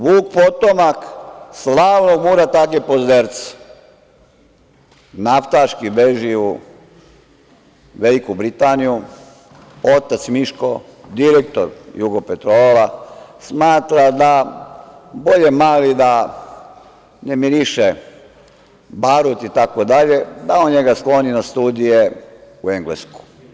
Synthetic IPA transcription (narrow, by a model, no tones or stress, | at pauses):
ʋuːk̚pot̪omakslaːʋnoɡmuːɾat̪akepozd̪eɾt̪se̥ | naft̪aʃkibeʒiu | ʋelikubɾit̪aːniju | ot̪at̪smiʃkod̪iɾek̚t̪o̰ɾjuɡopet̪ɾoːlasmaːt̪ɾad̪a | bo̞ʎemaːlid̪a | nemiɾiʃe | baɾut̪it̪akod̪aʎe̞d̪ao̞nɲe̞ɡasklo̞ninast̪uːd̪ije | ue̞ŋɡlesku̥